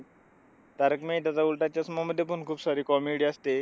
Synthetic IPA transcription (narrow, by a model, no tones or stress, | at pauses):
t̪aɾəkmet̪̬jat͡saulʈat͡ɕjasmaməd̪ʱːjep̬unkʰuːbsaɾiːkɔmeɽiast̪e